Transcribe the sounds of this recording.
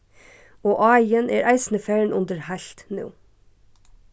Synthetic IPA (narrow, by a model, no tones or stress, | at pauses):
oːʔɑɪənʔeːɾʔæɪsn̩əfæːɳ̩ʔʊnd̪əɹhæɬt̪nṵː